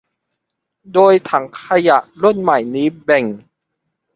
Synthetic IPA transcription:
doː˧jt̪ʰa˩˦ŋkʰa˧ja˨˩ʔlu˥˩nma˨˩jniː˦˥bɛ˨˩ŋ

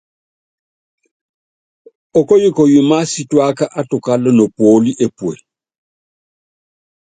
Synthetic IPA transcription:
ɔ˨kɔ˦ji˦kɔ˨ju˨ma˦si˦twa˦ka˦ʔa˦to˨ka˦lɔ˦no˨pwo˦li˦ʔe˨pwḛ˨

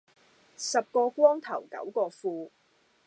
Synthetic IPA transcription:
sɐ˨p̚kɔː˧kʷɔː˥ŋt̪ʰɐ˨˩wkɐ̰˨˥wkɔː˧fuː˧

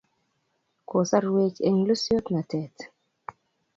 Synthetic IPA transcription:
ko˨sa˦ɾwe˦t͡ʃe˨ŋlo˦sjo˦t̪na˨tɛ˨t

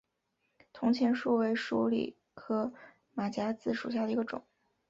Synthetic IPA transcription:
t̪ʰʊ˧˥ŋt͡ɕʰjɛ˧˥nʂu˥˩we˧˥ɪʂu˧˥lḭ˨˩ | xɤ˧˥ | ma˨˩t͡ɕja˧˥t͡sɹ̩˥˩ʂṵ˨˩ɕ̬ja˥˩ə˩i˧˥ɡə˧ʈ͡ʂʊ̰˨˩˦ŋ

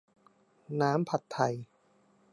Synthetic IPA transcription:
naː˦˥mpʰa˨˩t̪ʰːa˨˩j

